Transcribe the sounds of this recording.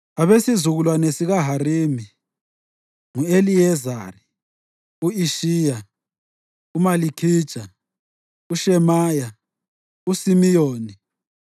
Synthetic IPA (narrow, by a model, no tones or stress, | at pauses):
aβesizuɣulwanesiɣaɦariːmi | ŋueliɛza̰ːri | uiʃiːja | umalikʰiːd̥ʒ̥ʼʱa | uʃɛmaːja | usimijoːni